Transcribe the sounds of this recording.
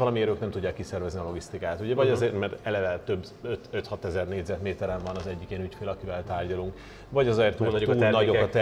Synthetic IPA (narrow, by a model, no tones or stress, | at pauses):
vɒlɒmiɛɾøːknɛmt̪uɟːaːkːisɛrvɛzniɒlo̞ɡist̪ikaːt̪uɟɛvɒɟɒzeːrt̪mɛrt̪ɛlɛvɛlt̪ø̞bː | øt̪øt̪hɒt̪ɛzɛrneːɟzɛt̪meːt̪ɛɾɛɱvɒnɒzɛɟːikinycfeːlɛɒkivɛlt̪aːrɟɒluŋk | vɒɟɒzɒɛrt̪unnɒɟokɒt̪ɛ